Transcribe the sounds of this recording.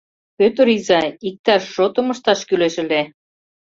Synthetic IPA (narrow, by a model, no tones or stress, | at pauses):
pøt̪əɾizɑik̚t̪ɑʃːot̪ə̆mə̆ʃt̪ɑʃkyleʃə̆le